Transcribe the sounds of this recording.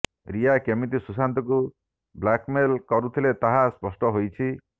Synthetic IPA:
ɾijakemit̪isusant̪ɔku | blakmelkɔɾut̪ʰilet̪aɦaspɔsʈɔɦojt͡ʃʰi

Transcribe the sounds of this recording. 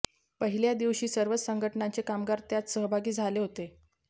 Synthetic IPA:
pəɦiljad̪iʋɕiːsəɾʋət͡ssəŋɡʱəʈnant͡sekamɡaɾt̪jat͡ssəɦbʱaɡiːd͡zʱaleɦot̪e

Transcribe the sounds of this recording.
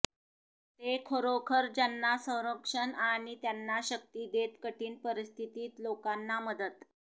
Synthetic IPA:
t̪ekʰəɾokʰəɾd͡ʑanːasə̃w̃ɾəkʂənaɽ̃it̪janːaɕək̚t̪iːd̪et̪kəʈiːnpəɾist̪ʰit̪iːt̪lokanːaməd̪ət̪

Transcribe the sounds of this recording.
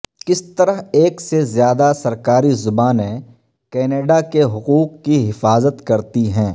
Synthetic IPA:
kɪst̪ɐɾəɦeːksezjaːd̪asɐɾkaːɾizʊbaːnẽ | kɛːneːɖakeɦʊquːqːiɦɪfaːzət̪kɐɾt̪iɦɛ̃ː

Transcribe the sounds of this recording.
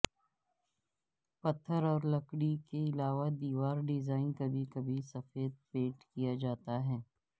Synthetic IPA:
pɐt̪ʰːəɾɔːɾlɐkɽikeɪlaːʋad̪iːʋaːɾɖɪzaːɪnkɐbʱikɐbʱisɐfeːd̪̚peːʈkijad͡ʒaːt̪aɦɛː

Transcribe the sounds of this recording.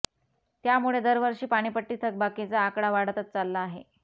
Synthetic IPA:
t̪jamuɭed̪əɾʋəɾʂiːpaɽ̃iːpəʈːiːt̪ʰək̚bakit͡saːkɽaʋaɽ̤ət̪ət̪̚t͡salːaːɦḛ

